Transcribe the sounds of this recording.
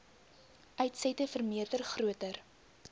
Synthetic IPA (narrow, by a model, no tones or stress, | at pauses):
ʔœɥtsɛtəfərmiərdərχruətər